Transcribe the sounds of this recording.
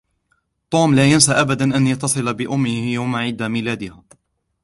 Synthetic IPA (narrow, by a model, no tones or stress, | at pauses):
t̪ˤuːmlaːjansaʔabad̪anʔanjɑt̪ːɑsˤɨlabɪʔʊmːɪhjawmaʕɪd̪amɪlaːd̪ɪhaː